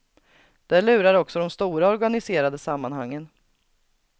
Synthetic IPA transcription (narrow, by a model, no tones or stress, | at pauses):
d̪̥ɛlʉ̟ːɾaɾɔksɔd̪ɔmst̪uːɾaɔɾɡanɪseːɾad̪əsamːanha̰ŋːən